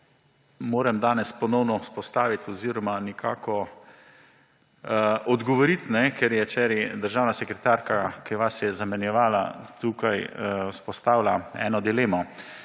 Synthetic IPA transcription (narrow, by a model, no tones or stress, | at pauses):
moːɾɛmd̪aːnɛspɔnɔwnɔwspɔst̪aːʋit̪ɔziːɾɔmanɛkʰa̰ːkɔ | ɔd̪ɡɔʋɔɾit̪nɛkɛɾjɛt͡ʃɛɾid̪əɾʒaːwnasɛkɾɛt̪aɾkakiʋasjɛzamɛnjɛʋaːla̰t̪uːkajwspɔst̪aːwlaɛ̰ːnɔd̪ileːmɔ